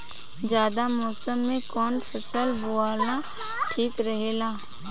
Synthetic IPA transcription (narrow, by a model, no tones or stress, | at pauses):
d͡ʒjaːd̪amɔːsəmːẽkɔːnpʰəsəlbuaːlã | ʈʰiːkɾəɦeːlaː